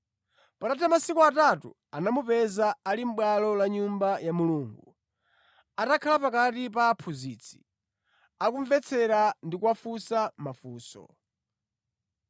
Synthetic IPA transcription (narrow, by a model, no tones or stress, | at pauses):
padatʰamasikuatatṵ | anamupɛzaːlim̩ɓwalɔlaɲumbajamuluːŋɡu | atakʰalapakatip̬aːpʰuziːt͡sʰi̥̰ | akuɱvɛt͡sʰɛɾandikuwafusamafuːsɔ̰